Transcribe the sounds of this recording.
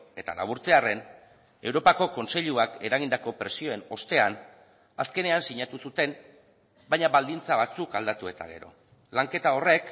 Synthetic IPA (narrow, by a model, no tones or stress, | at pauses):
e̞t̪a̰la̰β̞uɾt͡se̞are̞n | e̞wɾopako̞ko̞nse̞ʎuake̞ɾaɣ̞ind̪ako̞pɾe̞sio̞e̞no̞st̪e̞an | aske̞ne̞ansiɲat̪usut̪e̞n | bajɲaβald̪int͡saβat͡sukald̪at̪ue̞t̪a̰ɣe̞ɾo̞̰ | laŋke̞t̪ao̞re̞k